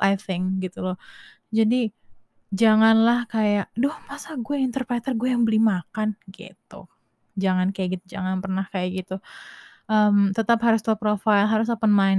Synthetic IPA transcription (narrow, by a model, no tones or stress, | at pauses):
ajθɪŋkɡit̪ulɔ | d͡ʒadi | d͡ʒaŋanlahkajaʔdʊhmasaɡuɛint̪ərpɾet̪ərɡuɛjaŋbəlimakanɡḛt̪ʊ̰ | d͡ʒaŋankajaʔɡit̪ud͡ʒaŋanpərnahkajaʔɡit̪u | ʔəmt̪ət̪apɦaɾʊst̪ɔpɾofajlɦaɾʊs̬apənmaɪn